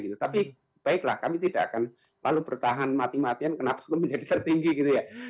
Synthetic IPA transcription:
ɡit̪ut̪api | b̥aɪklahkamit̪ida̰ʔa̰kan | la̰lupəɾut̪aɦanmat̪imat̪iankənapḁkuməɲd͡ʒadit̪ərt̪iŋɡiɡit̪uja

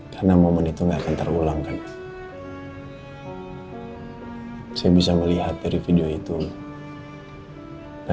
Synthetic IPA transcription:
kʰarnamomənit̪uŋɡaːkant̪ərulaŋkan | sajabisaməliɦat̪̚daɾifideoit̪u | ka

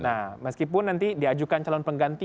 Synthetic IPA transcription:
nahməskipʊnːant̪idiad͡ʒukant͡ʃalɔnpəŋɡant̪i

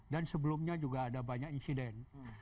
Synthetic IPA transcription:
dansəbəlumɲad͡ʒuɡaːdabaɲakinsidɛn

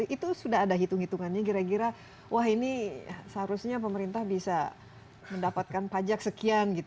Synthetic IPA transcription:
ʔit̪usudaɦadaɦit̪uŋhit̪uŋanɲakiɾakiɾa | waɦinisəɦaɾusɲap̬əməɾint̪ahbisa | məndapat̪̚kanpad͡ʒak̚səkianɡit̪

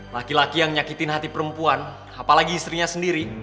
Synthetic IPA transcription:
lakilakijaŋɲakit̪ɪnɦat̪ipəɾəmpuan | apalaɡiːst̪ɾiɲasəndiɾi

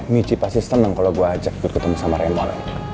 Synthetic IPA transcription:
mit͡ʃipasist̪ənaŋkaloɡuaːd͡ʒaki̥kʊt̪kət̪əmusamaɾɛmɔl̰

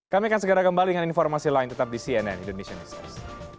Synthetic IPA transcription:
kamikansəɡəɾakəmbalidəŋaninfɔrmasilaɪnt̪ət̪ap̚disiɛnɛ̰nindonesianisɛ̰s

